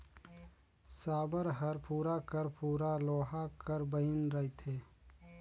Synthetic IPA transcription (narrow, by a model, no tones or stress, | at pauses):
saːbəɾɦɐɾpuːɾakəɾpuːɾaloːɦakəɾbəinɾɐit̪ʰeː